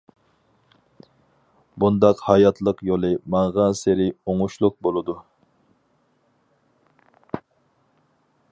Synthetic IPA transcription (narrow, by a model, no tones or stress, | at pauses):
bund̪ɑqhɑjɑt̪ʰlˠəqjolˠɨmɑɴʁɑnseɾɪoŋuʃlˠʊq̚bolˠɨd̪u